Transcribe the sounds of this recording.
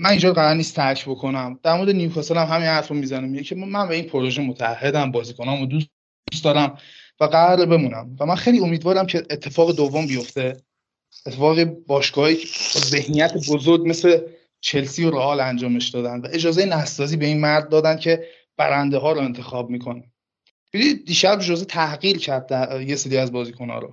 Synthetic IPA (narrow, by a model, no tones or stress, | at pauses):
mænind͡ʒɒːd̪ɣæɾænːiːst̪ʰæɾcʰbo̞kʰo̞næmd̪̥æɾmoɾd̪enijukʰɒːseɾæmɦæminhæɾfomizænemiecʰemænbe̞iːnpʰoɾo̞ʒemot̪ʰææhːe̞d̪æmbɒːziːkʰonɒːmod̪u | d̪̥ust̪d̪ɒːɾæm | væɡæɾbe̞muːnæmvæmænxe̞jliːo̞miːd̪vɒːɾæmcʰe̞ʔːt̪ʰːe̞fɒːɣed̪ovːombijo̞ft̪e̞ | et̪ʰːefɒːɣebɒːʃkɒːhjicʰːze̞hnijæt̪ʰebozoɾɟme̞sle | t͡ʃʰe̞lsiːoɾeɒːlænd͡ʒɒːme̞ʃd̪ɒːd̪ænd̪væʔe̞d͡ʒɒːzejenæst̪sɒːziːbe̞inmæɾd̪̚ːɒːd̪æn̥cʰe̞ | b̥æ̰ɾænd̪eɦɒːɾoe̞nt̪ʰe̞xɒːbmikʰo̞ne | b̥ed̪id̪iːʃæbd͡ʒozet̪ʰæhɢiːɾcʰæɾd̪d̪æje̞seɾiæzbɒːziːkʰo̞nɒ̰ːɾo̰